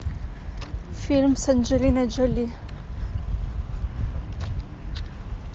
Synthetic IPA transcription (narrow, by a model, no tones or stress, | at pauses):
filmsænd͡ʒilinæd͡ʒæli